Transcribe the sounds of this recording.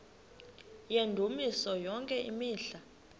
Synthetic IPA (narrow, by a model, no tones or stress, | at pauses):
jendʱumisɔjɔŋkʼɛʔḭmiːɬa